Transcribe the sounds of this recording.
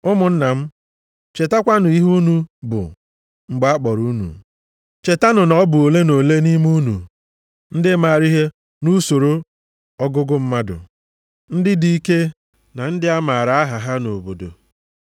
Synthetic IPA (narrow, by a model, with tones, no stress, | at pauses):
ʊ˦mʊ˨n̩˦na˨m̩˦ | t͡ʃe˨ta˦kʷa˦nʊ˨i˦ɦu˦nu˦bʊ̰˨ | ŋ͡m̩˨ɡ͡ba˦k͡pɔ˨ɾu˦nṵ˨ | t͡ʃe˨ta˦nʊ˨nɔ˦bʊ˨o˨le˦no˨le˦ni˦m˦u˦nṵ˨ | n̩˦dɪ˦ma˨ɾi˦ɦe˦ | nu˦so˨ɾo˦ | ɔ˦ɡʊ˦ɡʊ˦m̩˦ma˦dʊ̰˨ | n̩˦dɪ˦di˨i˦ke˦ | na˨n̩˦dɪ˦a˦ma˨ɾa˨a˦ɦa˨ɦa˦no˨bo˨do̰˨